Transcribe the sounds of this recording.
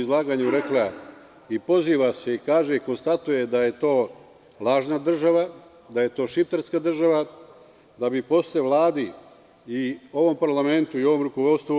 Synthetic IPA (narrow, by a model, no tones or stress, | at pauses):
izlˠaːɡaɲuɾe̞kla | ipo̞ziːʋase̞ikaːʒeiko̞nst̪at̪uje̞d̪aje̞t̪o̞ː | lˠaːʒnad̪r̩ʒaʋa | d̪aje̞t̪o̞ːʃift̪eɾskad̪r̩ʒaʋa | d̪abipo̞sleʋlˠaːd̪i | io̞ʋo̞mpaɾlame̞nt̪uio̞ʋo̞mɾuko̞ʋo̞t̪st̪ʋu